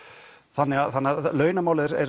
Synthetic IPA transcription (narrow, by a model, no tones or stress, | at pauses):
θanːɛɣaθanːaðlœːɥnamaːwlɪðɪɾɛ̰ɾ